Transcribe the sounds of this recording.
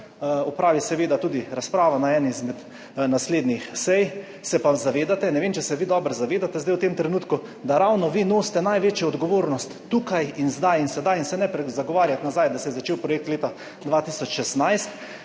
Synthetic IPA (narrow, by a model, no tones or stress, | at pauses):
ɔpɾaːʋisɛʋeːd̪at̪uːd̪iɾaspɾaːʋanaɛnizmɛd̪ | nasleːd̪nixsɛj | sɛpazaʋeːd̪at̪ɛnɛʋeːmt͡ʃɛsɛʋid̪ɔbɾzaʋeːd̪at̪ɛzd̪ajwt̪emt̪ɾɛnuːt̪ku | d̪aɾawnɔʋinoːst̪ɛnajʋeːt͡ʃjɛɔd̪ɡɔʋoːɾnɔst̪ːuːkajinzd̪ajinsɛd̪ajinsɛnɛpɾɛzaɡɔʋaːɾjat̪nazajd̪asɛjɛzat͡ʃeːwpɾɔjek̚t̪leːt̪a | d̪ʋaːt̪isɔt͡ʃʃɛst̪najst̪